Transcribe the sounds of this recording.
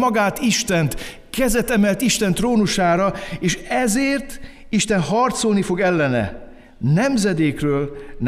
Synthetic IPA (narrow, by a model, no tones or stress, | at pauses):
ɒɡaːt̪iʃt̪ɛnt̪ | kɛzɛt̪ɛmɛlt̪iʃt̪ɛnt̪roːnuʃaːɾɒeːʃɛzeːrt̪ | iʃt̪ɛnhɒrt̪solnifo̞ɡɛlːɛnɛ̰ | nɛmzɛd̪eːkrøːln